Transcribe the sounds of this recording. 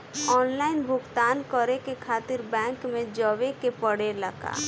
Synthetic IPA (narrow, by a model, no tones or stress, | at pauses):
ɔːnlaːɪnbʱʊɡt̪aːnkəɾekekʰaːt̪ɪɾbɛ̃ːŋkmẽd͡ʒəʋekepəɽeləɡa̰ː